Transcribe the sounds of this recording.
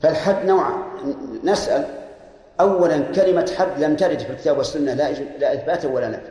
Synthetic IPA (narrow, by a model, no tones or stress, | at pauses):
falħab̪ːnawʕ̰nasʔal | ʔawːalankalɪmaħab̪ːlamt̪aɾɪd̪filkɪ̥t̪aːbwasːʊnːalaʔlaʔɪθbaːt̪ʔawːalana